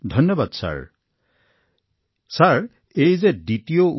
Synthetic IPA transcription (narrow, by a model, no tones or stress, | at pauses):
dʱɔnjɔbadsa̰ɹ | saɹ | ejzɛditijou